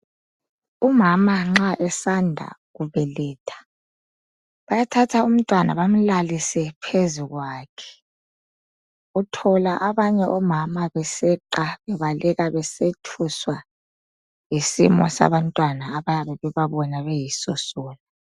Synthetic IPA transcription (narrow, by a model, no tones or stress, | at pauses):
umamaŋ͡ǁaʔɛsandʱa̰ɣuβɛlɛːtʰḁ | βajatʰatʰaum̩tʼwana̰βam̩lalisɛpʰezuɣwaːkʰɛ̥ | utʰɔlaʔaβaɲɛʔɔmamaβɛsɛǃaβɛβalʔɛɣaβɛsetʰuswa | jisḭmɔ̰sa̰βantʼwanaːβajaβɛβɛβaβɔnaβɛjisɔsɔːlu